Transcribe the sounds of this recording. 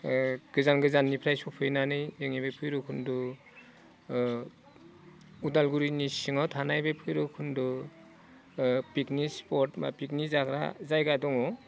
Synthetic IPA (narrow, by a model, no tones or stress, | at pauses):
ɡ̥ɯzanɡɯzanːipʰɾajsupʰɯjnanɯjeŋebepʰɯjɾɔkʰundu | udalɡuɾinisiŋatʰanajbepʰɯjɾɯkʰundɔ | piknispɔɾtma̰pik̚nizakɾa̰zajɡadɔŋɔ